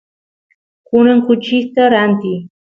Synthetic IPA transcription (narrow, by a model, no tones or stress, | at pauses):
kʊnaŋkʊt͡ʃist̪aɾant̪ɪ